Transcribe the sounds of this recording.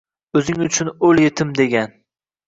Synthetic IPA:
ɵzɪŋʊt͡ʃʰʊnɵljet̪ʰɪmd̪e̞ɡʲan

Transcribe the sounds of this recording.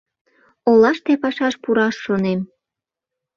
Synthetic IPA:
olɑʃt̪epɑʃɑʃpuɾɑʃːonem

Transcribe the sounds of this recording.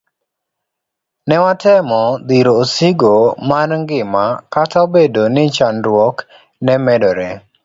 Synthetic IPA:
nɛwatʰɛmɔd̪iɾoːsiɡomarŋɡɪmakatʰaobedonɪt͡ʃandwɔk | nɛmɛdɔɾɛ

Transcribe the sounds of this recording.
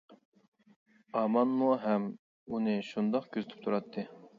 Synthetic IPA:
ɑmɑnmuɦɛm | unɨʃund̪ɑqkʲʰøzyt̪ʰy̥p̚t̪ʰuɾɑt̪ʰːɨ

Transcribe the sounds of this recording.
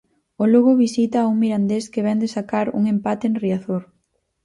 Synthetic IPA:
ʊloɣoβisit̪auŋmiɾand̪eskeβɛnd̪esakaɾṵŋempat̪eːnriaθoɾ

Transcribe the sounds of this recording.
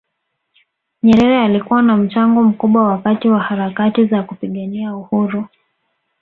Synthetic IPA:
ɲɛɾɛɾɛalikuwanam̩t͡ʃaŋɡɔm̩kuɓwawakatiwahaɾakatizakupiɠaniauhuɾu

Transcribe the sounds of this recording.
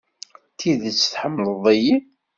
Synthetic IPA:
t̪ʰiðət͡sːθħəmːləðˤeji

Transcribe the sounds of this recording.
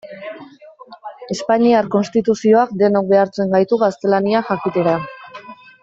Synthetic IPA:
e̞spaɲiaɾko̞nst̪it̪usio̞akd̪e̞nok̚be̞aɾt͡se̞ŋɡajt̪uɣast̪e̞laniaxakit̪eɾa

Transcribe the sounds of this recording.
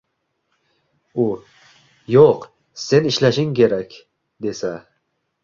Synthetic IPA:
u | joq | se̞nɪʃlaʃɪŋkʲe̞ɾakʲ | d̪e̞sa

